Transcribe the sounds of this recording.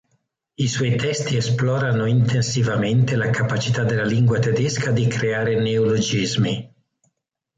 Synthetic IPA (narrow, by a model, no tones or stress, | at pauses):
iswɔjt̪ɛst̪iesplɔːɾanoint̪ensivament̪elakapat͡ʃit̪ad̪ːelːaliŋɡwat̪ed̪eskʰad̪ikɾeaːɾeneolod͡ʒizmi